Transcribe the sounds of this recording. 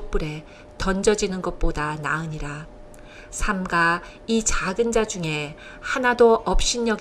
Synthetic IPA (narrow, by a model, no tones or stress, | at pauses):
k̚p͈uɾe̞ | tʌnd͡ʑʌd͡ʑinɯnɡʌt̚p͈odanaɯɲiɾa | sʰamɡa | it͡ɕaɡɯnd͡ʑad͡ʑuŋe̞ | hanadoʔʌp̚ɕ͈iɲjʌɡ